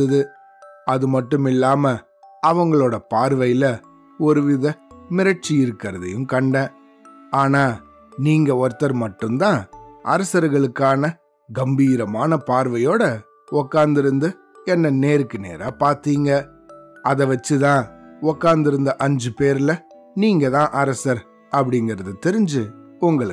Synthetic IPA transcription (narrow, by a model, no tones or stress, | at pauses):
ɐðɯ | ɐðɯmɐʈːɯmɪlːaːmɐ | ɐʋɐŋɡɐɭoːɽɐpaːɾʋɐjlɐ | ɔɾɯʋɪðɐmɪɾɐʈ̚t͡ʃiɪɾɯkːɪɾɐðɐ̰jɯ̃mkɐɳɖɛ̃ː | aːnaː | niːŋɡɐɔɾt̪ːɐɾmɐʈːɯmt̪ãːʔɐ̰ɾɐsɐɾɣɐɭɯkːaːnɐ | ɡɐmbiːɾɐmaːnɐpaːɾʋɐjoːɽɐ | ɔkːaːnd̪ɪɾɯnd̪ɯ | ɛnːɐneːɾɯkːɯnḛːɾa̰ːpaːɾt̪iːŋɡɐ | ɐðɐʋɐt͡ʃːɯt̪ãːɔkːaːnd̪ɪɾɯnd̪ɐʔɐɲd͡ʒɯpeːɾɪlɐ | niːŋɡɐt̪ãːʔɐɾɐsɐɾ | ɐpːɐɽɪŋɡɪɾɐðɯt̪ɛɾɪɲd͡ʒɯ | ʊŋɡɐɭ